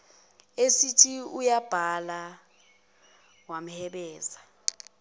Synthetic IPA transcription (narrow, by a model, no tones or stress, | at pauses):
esitʰiujab̥ʱala | wam̩hɛɓɛːza